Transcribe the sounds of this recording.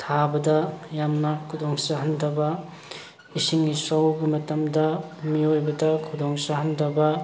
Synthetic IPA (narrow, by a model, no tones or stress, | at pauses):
tʰabɐdɐjamnɐkʰudoŋsaɦɐndɐbɐ | isiŋisawɡimɐtɐmdɐmiojbɐdɐkʰudoŋsaɦɐndɐbɐ